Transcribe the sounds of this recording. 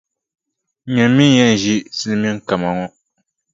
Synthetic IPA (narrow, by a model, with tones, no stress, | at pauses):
ɲɛ˨m˦mi˦jɛ˦n˨ʒi˦sɨ˦lm˦ɛ˦ŋ˦ka˨ma˨ŋɔ˦